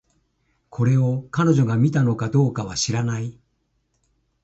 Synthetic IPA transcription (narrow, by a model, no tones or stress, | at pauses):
kʰo̞ɾe̞o̞kano̞ʑo̞ɡamʲit̪ano̞kad̪o̞ːkaβaɕiɾanai